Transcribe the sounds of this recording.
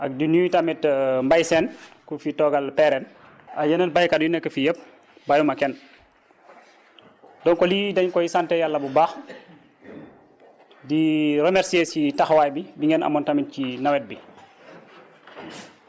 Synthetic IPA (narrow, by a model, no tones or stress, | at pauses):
ʔɐk̚dinutamɛtmbajsɛːnkufitɔːɡalpɛɾɛn | ajənənbajkadjunɛkːəfijəp̚ | bajumɐkɛn | dɔnkɔlidɐɲkɔjisantɛjalːɐbubaːx | diɾɛmɛɾsiesitaxwaːjbibiŋɡɛna̰mɔntamit̚cinɐwɛt̚bi